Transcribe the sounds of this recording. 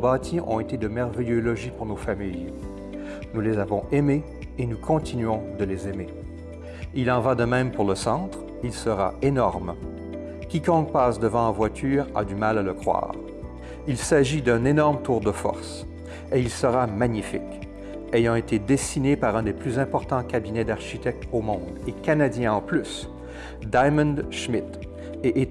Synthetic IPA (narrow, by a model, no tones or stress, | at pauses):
obat̪ʰiʔɔ̰̃et̪ed̪əmɛʁvɛjølɔʒipuʁnofamij | nulezavɔ̃ʔɛme | enukʰɔ̃t̪inɥɔ̃d̪əlezɛme | ilɑ̃vad̪əmɛ̃mpuʁləsɑ̃t̪χ | ilsəʁa̰enɔʁm | kʲikɔ̃k̚paːsd̪əvɑ̃ãvwat̪ʰyːʁa̰d̪ymalaləkχwa̰ːʁ | ilsaʒid̪ɛ̃nenɔʁmt̪uːʁd̪əfɔ̰ʁs | eilsəʁamaɲifḭk | ejɑ̃et̪ed̪esinepaʁɛ̃d̪eplyzɛ̃pɔʁt̪ɑ̃kʲabinɛd̪aʁʃit̪ɛk̚t̪omɔ̃d̪ekanad̪jɛ̃ɑ̃plys | d̪ajmɑ̃nʃmit̪ | eʔe